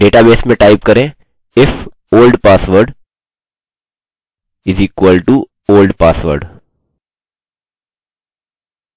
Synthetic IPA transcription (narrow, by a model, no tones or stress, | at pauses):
ɖeːʈabeːsmẽʈaɪpkəɾẽ | ɪf | oːlɖpaːsʋəɾɖ | ɪziːkwəlɖʈu | oːlɖpaːsʋə̰ɾɖ